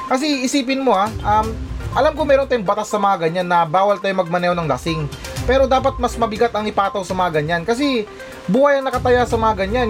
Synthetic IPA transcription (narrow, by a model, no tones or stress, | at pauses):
kɐs̬ɛɪsiːp̬ɪnmo̞aʔamʔɐlamkʊŋmɛːɾo̞nt̪aːjʊŋbɐt̪asːɐmɐŋaɡɐɲanːɐbaːwɐlt̪aːjʊmɐɡ̚mɐnɛonɐŋlɐsɪŋ | pɛːɾo̞d̪aːpɐt̪̚mɐsmɐbɪɡat̪ɐŋɪpaːt̪ɐwsɐmɐŋaɡɐɲankɐs̬ɛ | buːhajɐŋnɐkɐt̪ɐjasɐmɐŋaɡɐɲan